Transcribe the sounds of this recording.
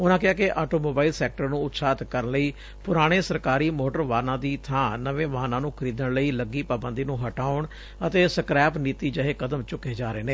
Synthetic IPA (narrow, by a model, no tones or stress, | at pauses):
ʊnãːkɪɦaːkɪʔaːʈoːmoːbaːilsɛːk̚ʈəɾnũːʊt̪saːt̪kəɾənləiː | pʊɾaːɽ̃eːsəɾkaːɾiːmoːʈəɾʋaːnãːd̪iːt̪ʰãːnəʋẽːʋəɦaːnãːnũːkʰəɾiːd̪əɳləiːləɡiːpaːbənd̪iːnũːɦəʈaːʊɳ | ət̪eːsəkɾɛːpniːt̪iːd͡ʒəɦeːkəd̪əmt͡ʃʊkːeːd͡ʒaːɾeːneː